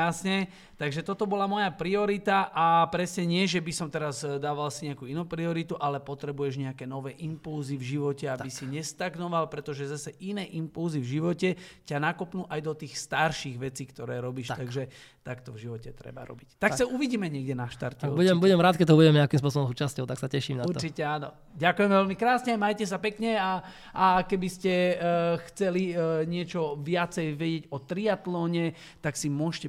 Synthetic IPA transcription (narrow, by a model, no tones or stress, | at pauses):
jasɲɛ | t̪aɡʒɛt̪ɔt̪ɔbɔlamɔjapɾiɔɾit̪aʔapɾɛsɲɛɲɪɛʒɛbisɔmt̪ɛɾazd̪aːʋalsiɲɛakuːinuːpɾiɔɾit̪uʔalɛpɔt̪ɾɛbujɛʒɲɛakɛːnɔʋɛːʔimpulzivʒiʋɔcɛabisiɲɛst̪aɡnɔʋalpɾɛt̪ɔʒɛzasɛʔinɛːʔimpulzivʒiʋɔcɛcanakɔpnuːʔajd̪ɔt̪iːxst̪aɾʃiɣʋɛt͡siːkt̪ɔɾɛːɾɔbiːʃtt̪aɡʒɛ | t̪akt̪ɔvʒiʋɔcɛt̪ɾɛ̰ba̰ɾɔ̰bict̪aksauʋiɟiːmɛɲɪɛɡɟɛnaʃt̪a̰ɾt̪ɔubuɟɛmbuɟɛmɾaːt̪̚kɛt̪ɔbuɟɛmɲɪakimsp̬ʊɔsɔbɔmzuːt͡ʃascɔʊt̪aksacɛʃimnauɾɔt͡ʃicɛaːnɔ̰ | ɟakujɛmɛvɛlmikɾaːsɲɛmajcɛs̬apɛkɲɛa | akɛbiscɛxt͡sɛliɲɪɛt͡ʃɔʋɪat͡sɛjʋɛɟɪɛɟɔt̪ɾiat̪lɔːɲɛ | t̪aksimʊɔʃcɛ